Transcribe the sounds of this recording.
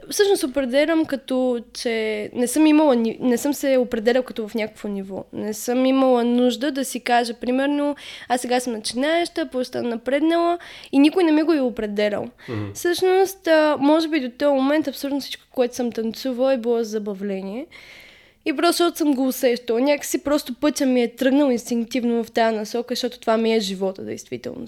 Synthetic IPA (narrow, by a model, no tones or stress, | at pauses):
fsɤʃnosɛopɾɛd̪ɛlʲəmkɐt̪ɔt͡ʃɛnɛsɤmiməlˠəninɛsɤmsɛopɾɛd̪ɛlʲɐlˠkɐt̪ɔvɐfnʲakə̥kvonivɔ̰nɛsɤmimɐlˠənuʒd̪əd̪ɐsikaʒəpɾimɛɾnoasːɛɡasəmnɐt͡ʃinaɛʃt̪əpoɛʃt̪annɐpɾɛd̪nəlˠəinʲikʊjnɛmiɡoiopɾɛd̪ɛlʲə̰lˠfsɤʃnost̪ːmɔʒɛbid̪ot̪ɔjmomɛnt̪ɐpsolut̪nʊfsi̥t͡ʃko̥koɛt̪ʊ̥sɤmt̪ɐnt̪suvəlˠɛbilˠɔzzɐbɐvlɛniɛ | ipɾɔst̪ːʃɔt̪o̥səmɡoːsɛʃt̪əlˠnʲakə̥sipɾɔst̪opɤt̪ʲəmiɛt̪ɾɤɡnəlˠinst̪iŋkt̪ivnovɐft̪ajənɐsɔkəʃt̪ɔt̪o̥t̪ovamiɛʒivɔt̪ə̰d̪ɛ̰jst̪vit̪ɛ̰lˠno̰s